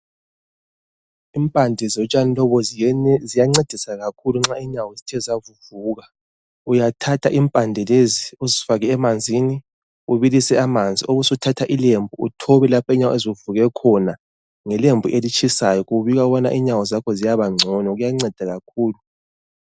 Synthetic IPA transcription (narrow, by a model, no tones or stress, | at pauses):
impʼandʱɛzɔt͡ʃʼanilɔβɔzijaŋ͡ǀed̥ʱisaɣakʰuluŋ͡ǁaiɲawɔezitʰɛzavuvuːɣa | ujatʰatʰa̰ʔimpʼandʱɛleziuzifaɣɛɛmand͡zʱini | uβilisɛamand͡zʱioɣusutʰatʰaʔilembʱuṵtʰɔβɛlapʰɛɲawɔ̰eziuvuɣɛkʰɔna | ŋɛlembʱuʔelit͡ʃʼʰisajɔɣuβiɣauβana̰ʔiɲawɔzakʰɔzijaβaŋ͡ǀʱɔnɔɣujaŋ͡ǀɛd̥ʱaɣakʰuːlu